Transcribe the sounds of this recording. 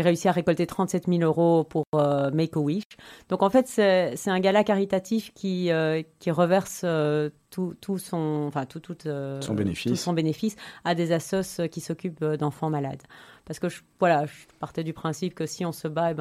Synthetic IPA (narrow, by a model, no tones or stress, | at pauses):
ʁeysiaʁekɔlt̪et̪χɑ̃t̪sɛt̪miløʁopuʁømekowiʃd̪̥ɔ̃kɑ̃fɛt̪sɛsɛt̪ɛ̃ɡalakaʁit̪at̪ifkʲiøkʲiʁəvɛʁsøt̪ut̪ʰusɔ̃ɑ̃fɛ̃t̪ut̪ut̪øsɔ̃bḛnefusɔ̃benefisad̪ezasɔsøkʲisɔkʲypød̪ɑ̃fɑ̃mala̰d̪paʁsə̥kəʒəvwalaʒpaʁt̪ɛd̪ypχɛ̃sipkəsiɔ̃səbaebɛ̃